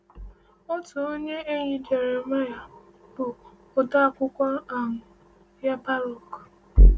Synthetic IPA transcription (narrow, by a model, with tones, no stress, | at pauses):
ʊ˦tʊ˨o˦ɲe˦e˦ɲi˨d͡ʒe˨ɾe˨ma˦ja˨ | b̥ʊː˨ | dɔ˦a˨kʷʊ˦kʷɔ˦a˨ŋʊ˨ | ja˦pa˦ɾo˨k